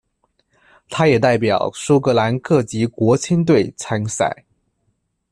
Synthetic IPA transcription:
t̪ʰa˥jɛ˨˩t̪a˥˩ɪp̬jɑ˨˩ʊʂu˥ʊkɤ˧˥la˧˥nkʰɤ˥˩t͡ɕi˧˥kwɔ˧˥t͡ɕʰi˥nt̪̬we˥˩ɪt͡sʰa˧˥nsa̰˨˩˦ɪ

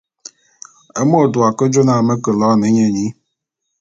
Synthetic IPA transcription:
e˦mo˦˨dʊ˨a˨kə˦d͡ʒo˦na˨me˦kə˨lɔː˨˦˨ne˦ɲe˦˨ɲi˦

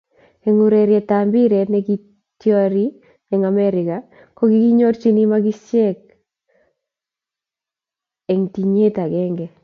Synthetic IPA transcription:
e˨ŋu˦ɾe˨ɾjɛ˨tambi˦ɾɛ˨nɛ˦ɡi˦ | tja˦ɾi˦ | ɛ˨ŋa˨mɛ˦ɾɪ˨ka˨ | ko˦ɡi˦ɡi˦ɲo˦rt͡ʃi˦ni˦ma˦ɡɪ˦ʃjɛ˦k̚ | ɛ˨ŋti˨ɲe˦ta˨ɡɛ˦ŋɡɛ˨

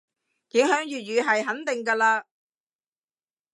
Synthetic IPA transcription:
jɪ˨˥ŋhœː˨˥ŋjyː˨t̚jyː˨˧ɦɐ˨jɦɐ˨˥nt̪ɪ˨ŋkaː˧laː˧

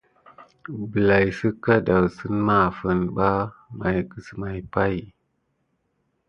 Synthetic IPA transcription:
bə˨la˨jsə˦ka˦da˨wsə˦ma˦˨fə˨nɓa˦ma˨jkə˨sə˨ma˨jpa˦j

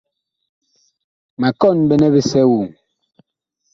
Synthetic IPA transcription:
ma˨kɔ˦˨nbɛ˦nɛ˦bi˦sɛ˦wu˨ŋ

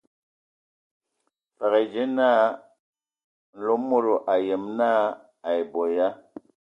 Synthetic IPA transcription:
fa˨ɣe˨d͡ʒe˦naː˦ | n̩˨lo˦mːo˦ɾo˨ʔa˨je˨mnaː˦ | a˨e˨bɔ˨ja˦

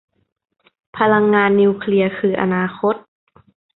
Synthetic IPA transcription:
pʰa˧la˧ŋːaː˧nːiː˧kʰli˧˥ɐkʰɯː˧ʔa̰˧naː˧xo˦˥t̪̚

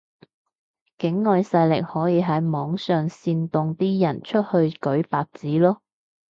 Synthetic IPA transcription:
kɪ˨˥ŋːɔ˨˧jsɐ˧jlɪ̰˨k̚hɔː˨˥jiː˨˧ɦɐ˨˥jmɔː˨˥ŋsœː˨˧ŋsiː˧nt̪ʊ˧ŋt̪iː˥jɐ˨˩nt͡ʃʰɵ˥t̚hɵ˧ɥkɵ˨˥ɥpaː˨˧k̚t͡siː˨˥lɔː˥

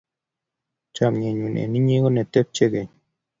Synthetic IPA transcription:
t͡ʃa˨mɲe˨ɲu˨nʔḛ˨ni˦ɲe˦ɡo˦ne˨t̪e˦p̚t͡ʃe˦ɡe˨ɲ

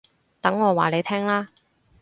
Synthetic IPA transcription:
t̪ɐ˨˥ŋːɔː˨˧wa̰ː˨le˨˧jt̪ʰɛː˥ŋlaː˥

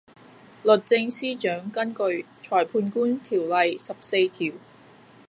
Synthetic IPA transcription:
lɵ˨t̚t͡sɪ˧ŋsiː˥t͡ʃœː˨˥ŋkɐ˥nkɵ˧ɥ | t͡ʃʰɔː˨˩jpʰuː˧nkuː˥nt̪ʰiː˨˩wlɐ˨jsɐ˨p̚se˧jt̪ʰi˨˩w

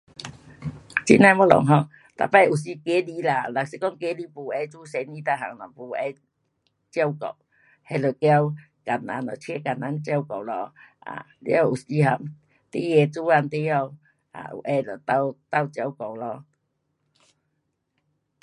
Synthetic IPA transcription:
t͡ɕḭ˧˦nã˧˦mɔ˦lɔ̰˨ŋɦɔ˧˨ŋ | t̪a̰˨˩pa˦˧˦u˨˩si˧ke˦li˧˦la˧la˨k̚si˧˦kɔ˦ŋke˦li˦pu˨ɛ˧˦t͡su˦sɛ˨˧ni˦t̪a˧ɦa˨ŋnɔ˨˩pu˧ɛ˧˦ | t͡ɕja˧wkɔ̰˨˩w | hɛ˧lə˨˩kja˦w | ka˨na̰˧nɔ˨t͡ɕʰɛ˦ka˨˩na˧˦nt͡ɕja˦˧wkɔ˨wlɔ˧a̰˨ | lḭ˦a˧˩ʔu˨˩si˧ɦa˨˩m | t̪e˦jɛ˧t͡su˦a˧nt̪e˧˦ja˧w | a̰˨ʔṵ˨ʔɛ˧lɔ˨t̪a˧wt̪a˧˨wt͡ɕja˧˩wkɔ˨˩wlɔ˧

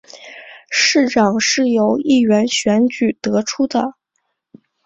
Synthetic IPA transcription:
ʂɻ̩˥˩ʈ͡ʂɑ˨˩ŋʂɻ̩˥˩jo˧˥ʊi˥˩ɥɛ˧˥nɕɥɛ˧˥nt͡ɕy˨˩t̪ɤ˧˥ʈ͡ʂʰu˥d̪ə˨

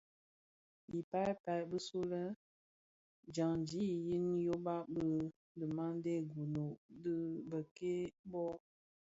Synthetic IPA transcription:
i˨pa˦jpa˨bə˦su˦lə˦ | d͡ʒa˨ŋ˨d͡ʒi˦i˨ji˦njo˦ba˦bə˦ | də˨ma˦ŋ˦de˦˨ɡu˨no˨də˦bə˨ke˦bɔ˦

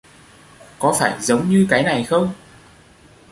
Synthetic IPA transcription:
kɔ˨˦faː˧˩jzə˨˦wŋ͡mɲɨ˧kaː˨˦jna˨˩jxə˧wŋ͡m

